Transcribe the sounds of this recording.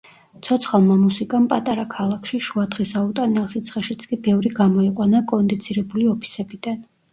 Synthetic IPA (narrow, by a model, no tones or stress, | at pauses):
t̪ʰɔt̪sʰχalˠmamusikʼampʼat̪ʼaɾakʰalˠakʰʃiʃuad̪ʁisaut̪ʼanɛlˠsit̪sʰχɛʃit̪sʰkʼibɛvɾiɡamɔiqʼwanakʼɔnd̪it̪sʰiɾɛbuliɔpʰi̥sɛbid̪̥an